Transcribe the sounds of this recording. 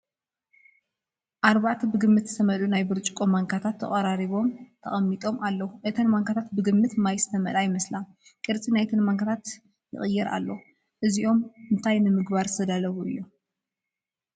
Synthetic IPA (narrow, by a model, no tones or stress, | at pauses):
ʔaɾβaʕt̪ʰbɨɡɨmːɨt̪zɨt̪ʰɐmɐlunajbɨɾt͡ʃʼkʼomaŋkʰat̪ʰat̪ʰːɐ̰χʼɐɾaɾiβo̞mt̪ʰɐ̰χʼɐmːit̪ʼo̞malːɐwuʔet̪ʰɐnmaŋkʰat̪ʰat̪bɨɡɨmːɨt̪majst̪ʰɐmɐlajɪmɐsla | kʼɨɾt͡sʼinajt̪ʰɨnmaŋkʰat̪ʰat̪ | jɨ̰χʼɨjːɛɾʔa̰lːo | ʔɨziʔo̞mɨnt̪ʰajnɨmɨɡβaɾsɐd̪alɐβuɨ̰jːu